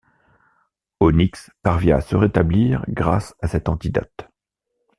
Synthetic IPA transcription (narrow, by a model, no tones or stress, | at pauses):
onikspaʁvjɛ̃asəʁet̪abliːʁɡʁasasɛt̪ɑ̃t̪id̪a̰t̪